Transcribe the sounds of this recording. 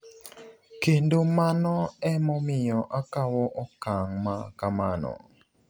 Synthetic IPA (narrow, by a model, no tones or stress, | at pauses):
kendomanɔɛmɔmɪjɔʔakawɔʔɔkaŋmakamanɔ̰